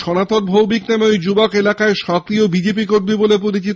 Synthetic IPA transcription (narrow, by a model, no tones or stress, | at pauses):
ʃɔnat̪oɾbʱowbiknemeojd͡ʑubokelakaeʃɔkɾiobid͡ʑep̬ikoɾmibolepoɾit͡ɕit̪